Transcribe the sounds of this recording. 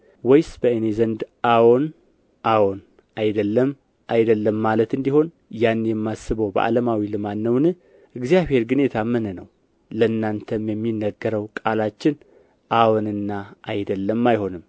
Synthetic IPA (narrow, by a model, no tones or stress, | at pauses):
wɔjsb̥əenezənd̪ʔawon | ʔawon | ajd̪əlːəm | ʔajd̪əlːəmːalət̪ɨnd̪iho̞n | janːjɛmːasɨβəwbə̰ʔa̰ləmawilɨmanːəwnɨ | ʔɨɡzijaβhe̞ɾɡɨne̞t̪ʰamɨnɨnəw | ləɨnːant̪ʰəmjɛmːinːəɡːəɾəwkʼalat͡ʃːɪn | ʔawonɨnːaʔajd̪əlːəmːajho̞nɨm